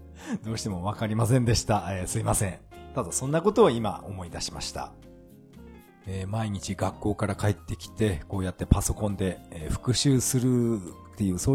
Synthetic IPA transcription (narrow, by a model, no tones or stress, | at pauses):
d̪o̞ːɕi̥t̪e̞mo̞βakaɾʲimas̬ẽ̞nd̪e̞ɕi̥t̪aeːsɨimasẽ̞ɴt̪ad̪asõ̞nːako̞t̪o̞ːima̰o̞̰mo̞id̪aɕi̥ma̰ɕi̥t̪a̰ | eːmaiɲ̟it͡ɕiɡakːo̞ːkaɾakaet̪ːe̞kʲi̥t̪e̞ko̞ːjat̪ːe̞paso̞kõ̞nd̪e̞ɸɯ̟̥kɯ̟ɕɨːsɨɾɯ̟t̪ːe̞jɯ̟ːsoː